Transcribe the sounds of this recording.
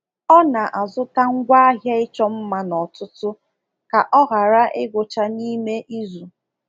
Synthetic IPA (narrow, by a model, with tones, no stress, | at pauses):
ɔ˦na˨ʔa˨zʊ˦ta˦ŋ̩˦ɡʷa˦a˦ɦja˦ɪ˦t͡ʃɔ˦m̩˦ma˨nɔ˨tʊ˦tʊ˦ | ka˨ʔɔ˦ɣa˨ɾa˦ʔɪ˦ɡʷʊ˨t͡ʃa˦ni˦me˦ʔi˦zu˨